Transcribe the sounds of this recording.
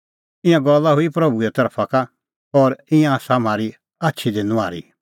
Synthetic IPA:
ɪ̃jãɡɔlːaɦʊipɾɐbuɛt̪ɐɾpʰaka | ɔɾɪ̃jãsam̤aːɾi | atːʃʰid̪enʊ̃a̰ːɾḭ

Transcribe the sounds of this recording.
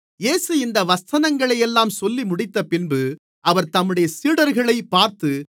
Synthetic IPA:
jeːsɯɪnd̪ɐʋɐst̪ɐnɐŋɡɐɭɐjɛlːaːmsɔlːimʊɽɪt̪ːɐpɪnbɯ | ʔɐʋɐɾt̪ɐmːɯɽɐjɐsiːɽɐɾɣɐɭɐɪpːaːɾt̪ɯ

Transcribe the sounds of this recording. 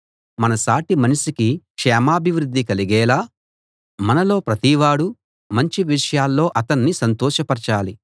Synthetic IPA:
mɐnɐsaːʈimɐniʃikikʂɛːmaːbʱiʋɾud̪ːikɐliɡɛːlaː | mɐnɐlo̞ːpɾɐt̪iʋaːɽu | mɐɲt͡ʃiʋiʂɐjaːlːo̞ːʔɐt̪ɐnːisɐnt̪ɔːʃɐpɐɾt͡ʃaːli

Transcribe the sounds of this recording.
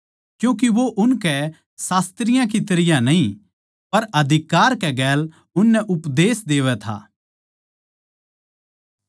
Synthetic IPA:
kjũːk̬iʋoʔʊnkɛ | saːst̪ɾɪjãk̬it̪ɐɾɪjãnɐɦĩ | pɐɾɐd̪ʱɪkaːɾkɛɡɛːl | ʊnːɛʔʊpd̪eːsd̪eːʋɛt̪ʰa̰ː

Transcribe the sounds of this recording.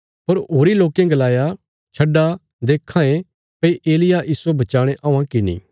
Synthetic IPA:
pɐɾɦoːɾiloːkẽɡɐlaːja | t͡ʃʰɐɖːa | d̪eːkʰːãːẽ | pɐiʔeːlɪjaʔiːsobɐt͡ʃaːɽ̃eʔɐ̃ːãkinḭ̃ː

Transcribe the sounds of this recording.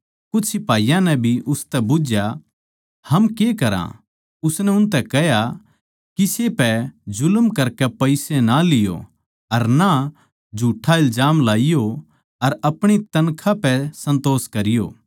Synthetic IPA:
kʊsɪpaːijãnɛ̃bʱiʔʊst̪ɛbʊd͡ʒja | hɐmkekɐɾã̰ | ʊsnɛʊnt̪̬ɛkɛɦja | kisepɛd͡ʒʊlmkɐɾkɛpɐɪsɛnalɪjo̰ | ɐɾna | d͡ʒʱuːʈʰːaɪld͡ʒaːmlaːɪjo | ɐɾɐpɽ̃it̪ɐnkʰãpɛsɐ̃nt̪oːskɐɾɪjo̰ː

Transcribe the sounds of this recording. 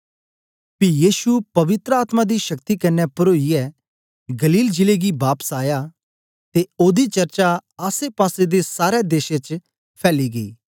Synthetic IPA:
pijiːsupɐʋɪt̪ɾəaːt̪mad̪iʃɐkt̪ikɐnːɛpɐɾoːiɛ | ɡɐliːld͡ʒɪleɡibaːpsaːja | t̪eoːd̪it͡ʃɐɾt͡ʃaaːsepaːsed̪esaːɾɛd̪eːʃet͡ʃ | pʰɛːliɡɐḭː

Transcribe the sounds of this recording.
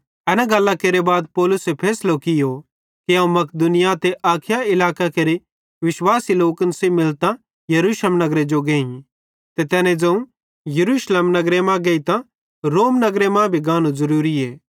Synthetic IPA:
ɛːnãɡɐlːakeːɾebaːd̪̚pɔːlʊsepʰɛːslokɪjo | kiãːũmɐkd̪ʊnɪjat̪eʔaːkʰɪjaɪlaːkakeɾe | ʋɪʃwaːsiloːkənsemɪlt̪ã | jɐɾuːʃlmnɐɡɾed͡ʒoɡẽːĩ | t̪et̪ɛːnẽd͡zɐ̃ũ | jɐɾuːʃleːmnɐɡɾemãɡeit̪ã | ɾoːmnɐɡɾemãbʱiɡãːnũzɐɾuːɾieː

